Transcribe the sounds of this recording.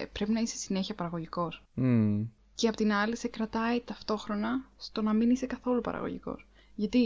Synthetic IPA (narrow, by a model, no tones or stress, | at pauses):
pɾe̞pinɐise̞̥sine̞çiɐpɐɾɐɣo̞ʝiko̞s | ceɐpo̞t̪inɐlise̞kɾɐt̪ɐit̪ɐft̪o̞xɾo̞nɐst̪o̞nɐminise̞kɐθo̞lupɐ̰ɾɐ̰ɣo̰ʝḭko̞̰s | ʝɐt̪i